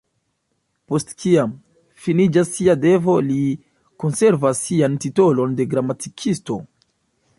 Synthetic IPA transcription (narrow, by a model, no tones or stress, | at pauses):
po̞stkiam | finid͡ʒasːiade̞vo̞li | ko̞nse̞ɾvasːiantito̞lo̞nde̞ɡɾamatikʰisto̞